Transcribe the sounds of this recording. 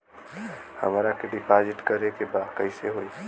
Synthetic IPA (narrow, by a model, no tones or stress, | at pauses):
hə̰mɾakeɖɪpʰad͡ʒɪʈkəɾekebaːd̪kəɪseɦoi